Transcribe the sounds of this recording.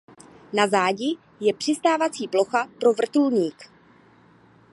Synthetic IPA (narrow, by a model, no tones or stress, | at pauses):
nazaːɟɪ | jɛpr̝̥ɪst̪aːvat͡siːplo̞xapɾo̞vr̩t̪ulɲiːk